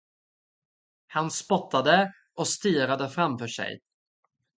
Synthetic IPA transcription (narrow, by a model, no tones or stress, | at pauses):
hanspɔt̪ːad̪ə | ʔɔst̪iːɾad̪əfɾamfœːʂɛ̰j